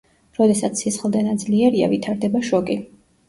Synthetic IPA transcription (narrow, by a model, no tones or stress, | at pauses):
ɾɔd̪ɛsat̪sʰsisχlˠd̪ɛnad̪zliɛɾia̰vit̪ʰaɾd̪ɛbaʃɔkʼi